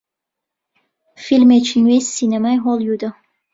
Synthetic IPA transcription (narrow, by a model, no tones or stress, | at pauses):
filmet͡ʃʰinwesinemajɦɔlˠjud̪ə